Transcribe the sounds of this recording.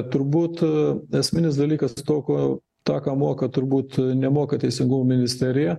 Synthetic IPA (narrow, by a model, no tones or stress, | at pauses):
t̪ʊɾbuːt̪ɛsʲmʲɪnʲɪsd̪ɐlʲiːkɐst̪oːkoː | t̪ɑːkɑːmuɔkɐt̪ʊɾbuːt̪nʲɛmoːkɐt̪ʲɛɪsʲɪŋɡʊmoːmʲɪnʲɪsʲt̪ʲæɾʲɪjɛ